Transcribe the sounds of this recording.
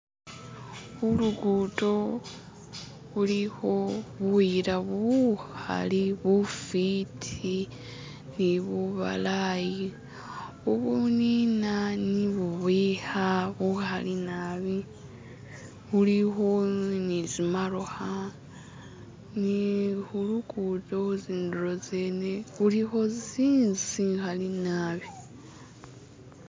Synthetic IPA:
βuluɡuto̞ | βuliho̞βuiɾaβuha̰liβufitʰi | niβuβa̰laji | uβuninaniβuβwihaβuhalinaβi | huliɦo̞nizimaɾoha | nihulukutouziːnduɾozeːneβuliho̞ziːnziŋxalinaβi

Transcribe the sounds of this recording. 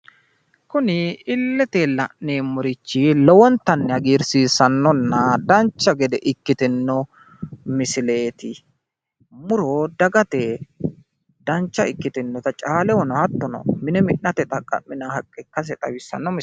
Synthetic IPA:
kʊnɪɪlːɛt̪elːɐʔneːmʊɾɪt͡ʃːɪlɔwɔnt̪ɐnːɛhɐɡiːɾsiːsɐnːɔnːɐd̪ɐnt͡ʃːɐɡɛd̪ɛʔɪkːɪt̪ɪnːɔ | mɪsɪle̞ːt̪ɪ | mʊɾɔd̪ɐɡɐt̪ɛ | d̪̥ɐnt͡ʃːɐɪkːɪt̪ɪnːɔt̪ɐt͡ʃʼaːlɛwɔnɔhɐt̪ːɔnɔ̰mɪnɛmɪʔnɐt̪ɛt̪ʼɐkʼːɐ̰mːɪnɐhɐkʼːɛkːɐs̬ɛt̪ʼɐwɪsːɐ̰nːɔm

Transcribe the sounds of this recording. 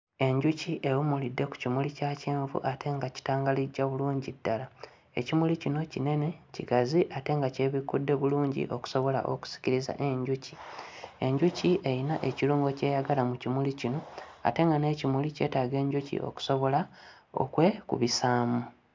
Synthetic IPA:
e̞ɲɟuciʔe̞umulidːe̞ku̥cimulicaːceːɱvṵʔatʰe̞ŋɡaci̥taːŋɡaliɟːaβuluːɲɟidːala | e̞̰cimulicino̞cine̞ne̞cḭɡaziʔate̞ŋɡace̞βikudːe̞βuluːɲɟḭʔo̞ku̥so̞βo̞la̰ʔoku̥si̥ciɾiza̰ʔe̞ɲɟucie̞ɲɟuciʔe̞jinaʔe̞ciɾuːŋɡo̞ce̞ːjaɡalamucimulicino̞a̰te̞ŋɡane̞cimulice̞̰ːtaːɡe̞ːɲɟucḭʔo̞̰ku̥so̞βo̞la | o̞̰kwe̞kṵβisaːmu

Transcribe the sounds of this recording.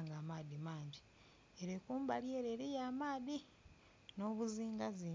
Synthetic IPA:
ŋɡaːmaːðimaːɲɟi | eɾekuːmbalieɾeːɾijaːmaːði | no̞ːβuziːŋɡazi

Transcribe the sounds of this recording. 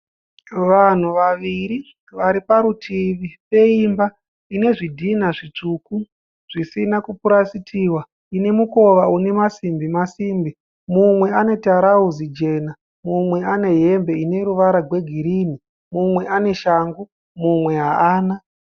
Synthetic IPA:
ʋan̤uʋaʋiɾi | ʋaɾipaɾutʰiʋipe̞imba | ine̞ʐidʱin̤aʐit͡ʂuku | ʐ̥isinakupuɾasitʰiwa | ine̞muko̞ʋaune̞masimbimasiːmbi | mumwe̞ane̞taɾauzid͡ʒe̞na | mumwe̞ane̞ɦe̞mbe̞ine̞ɾuʋaɾaɡwe̞ɡʱiɾiːni | mumwe̞ʔane̞ʃaːŋɡu | mumwe̞ɦaaːna

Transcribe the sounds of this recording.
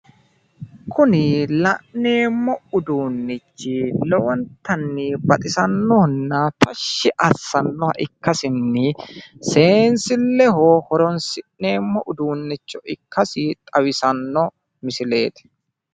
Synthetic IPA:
kʰʊnɪlɐʔne̞ːmːɔʊd̪uːnːɪt͡ʃːɪlɔwɐnt̪ɐnːibɐt̪ʼɪsɐnːɔnːat̪ʰɐʃːɪʔɐsːɐnːɔhɐ̰ʔɪkːɐsɪnːɪse̞ːnsɪlːɛɦɔhɔɾɔnsɪʔne̞ːmːɔʔʊd̪uːnːɪt͡ʃːɔʔɪkʰːɐsɪt̪ʼɐwɪsɐnːɔ | mɪsɪle̞ːt̪ɪ̥

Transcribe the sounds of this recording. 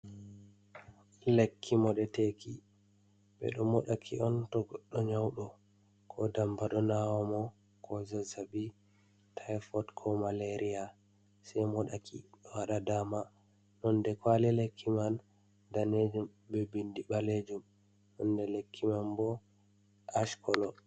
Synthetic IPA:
lekʰːimɔɗɛteki | ɓɛ̰ɗɔmɔɗakʰḭʔɔntɔɡɔɗːɔɲawɗɔ | kʰɔdambaɗɔnawɔmɔ | kʰɔzazabi | tʰajfɔtkʰɔmaleɾʔija | sɛjmɔɗakʰḭɗɔwaɗadama | ɗɔndɛkwalɛlekʰːiman | daned͡ʒum | bɛbindiɓaled͡ʒum | ɗɔndɛlekʰːimanbɔ | ʔaʃkʰɔlɔ

